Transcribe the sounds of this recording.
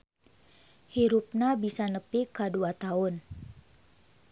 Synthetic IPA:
hiɾup̚nabisanəpikaduat̪aʊn

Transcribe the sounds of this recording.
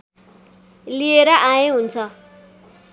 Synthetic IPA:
lieɾʌʔajeɦunt͡sʰʌ

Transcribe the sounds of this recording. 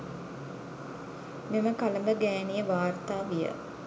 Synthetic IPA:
meməkaləmbəɡæːnijəʋaːrt̪aːʋijə̰

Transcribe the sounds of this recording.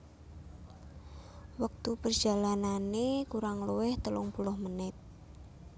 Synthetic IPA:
wək̚t̪upərd̥d͡ʒ̥alananekuɾaŋluwɪht̪əlʊŋpulɔhmənɪt̪̚

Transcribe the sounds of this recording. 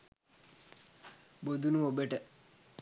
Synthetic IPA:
bod̪unuobəʈə

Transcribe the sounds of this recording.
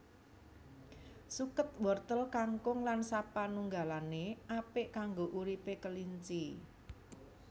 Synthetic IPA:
sukət̪̚wɔrt̪əlkaŋkʊŋlansapanuŋɡalaneʔapɪʔkaŋɡoʔuɾipekəliɲt͡ʃi

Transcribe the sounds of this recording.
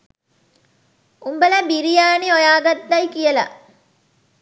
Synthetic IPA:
umbəlɐbiɾijaːniojaːɡɐt̪ːɐjkijəlɐ̰

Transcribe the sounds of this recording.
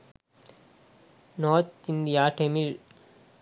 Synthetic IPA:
nɔːɾt̪ɪnd̪ijaːʈemil

